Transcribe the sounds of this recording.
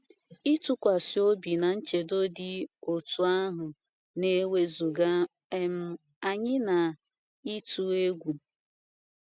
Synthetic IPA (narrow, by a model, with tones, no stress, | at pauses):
i˦tu˦kʷa˨si˨o˦bi˨na˨n̩˦t͡ʃe˨do˦dɪ˦o˨tu˨a˦ɦʊ˨ | ne˦we˦zu˨ɡa˦ | m̩˦ | a˨ɲɪ˦na˨ | i˦tu˦e˦ɡʷu˨